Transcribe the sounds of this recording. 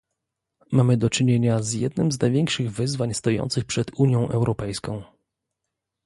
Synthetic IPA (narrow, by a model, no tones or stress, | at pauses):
mamɘd̪ɔt͡ʂɘɲeɲazjɛd̪̚nɘmznajvʲɛŋkʂɘɣvɘzvaɲst̪ɔjɔ̰nt̪sɘxpʂɛd̪uɲjɔ̃w̃ʔɛwɾʔɔpɛjskɔ̃w̃